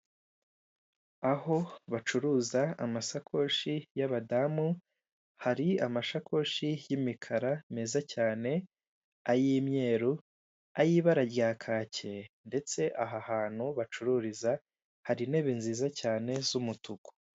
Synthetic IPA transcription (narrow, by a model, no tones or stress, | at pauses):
aɦo̞βat͡ʃuɾuːzaamasakʰo̞ʃijaβadamu | haɾiamaʃakʰo̞ʃijimikʰaɾameːzacaːne̞ | ajiːmɲe̞ːɾu | ajiːβaɾaɾjaːkʰaːce̞nde̞t͡se̞ʔaɦahaːn̥huβat͡ʃuɾuɾiza | haɾine̞βinziːzacaːne̞zumutuko̥